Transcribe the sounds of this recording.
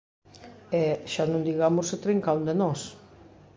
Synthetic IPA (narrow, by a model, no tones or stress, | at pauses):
ɛʃanõnd̪iɣamʊsɪt̪ɾiŋkawnd̪enɔs